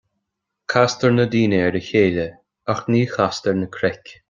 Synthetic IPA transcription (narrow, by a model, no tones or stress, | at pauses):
kʰast̪əɹnəd̪iːnəɛɾəçeːlə | axniːxast̪əɹnəkʰɾɛkʲ